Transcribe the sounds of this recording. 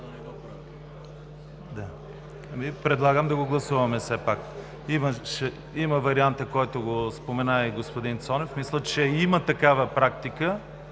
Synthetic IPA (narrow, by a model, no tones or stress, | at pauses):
d̪a | ɐmipɾɛd̪lˠaɡəmd̪ɐɡoɡlˠɐsuvɐmɛsɛpak | imɐʃɛ | imɐvɐɾiant̪əkɔjt̪oɡospomɛnaiɡospod̪int̪sɔnɛfmislˠət͡ʃɛimət̪ɐkavəpɾakt̪ikə